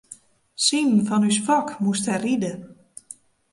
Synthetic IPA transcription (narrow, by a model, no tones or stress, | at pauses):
sinfɔnysfɔkmusthɛridə